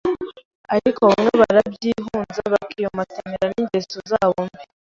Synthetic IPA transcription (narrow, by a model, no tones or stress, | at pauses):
aɾikʰoβamŋe̞βaɾabɟiːɦuːnzaβakijomatemeɾaniɲɟesozaβombi